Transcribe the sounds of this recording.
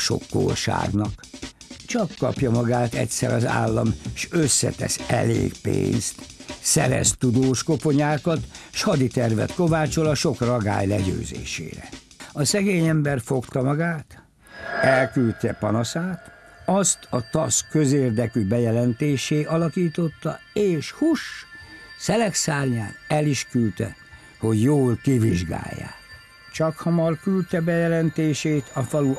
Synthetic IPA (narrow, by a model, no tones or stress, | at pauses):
ʃo̞̰kːo̰ːʃa̰ːɡnɒk | t͡ʃɒkːɒpjɒmɒɡaːt̪ɛ̰tʲsɛɾɒza̰ːlːɒ̰mʃøsːɛ̰t̪ɛ̰sɛlḛːɡpḛːnst̪sɛɾɛ̰st̪ud̪oːʃko̞po̞ɲaːkɒt̪ʃhɒd̪it̪ɛrvɛ̰t̪ko̞vaːt͡ʃo̞lɒʃo̞krɒɡa̰ːjlɛɟø̰ːzḛːʃḛːɾɛ | ɒsɛɡeːɲɛmbɛrfo̞kt̪ɒmɒɡaːt̪ | ɛlkylt̪ɛpɒnɒsaːt̪ | ɒst̪ʰɒt̪ɒskø̞zeːrd̪ɛkybɛjɛlɛnt̪eːʃeːʔɒlɒkiːt̪o̞t̪ːɒ̰eːʃhuʃ | sɛlɛksaːlɲa̰ːnɛliʃkylt̪ɛ̰ | ho̞ɟjoːlkiviʒɡa̰ːjːa̰ː | t͡ʃɒkhɒmɒrkylt̪ɛbɛjɛlɛnt̪eːʃeːt̪ʰɒfɒlu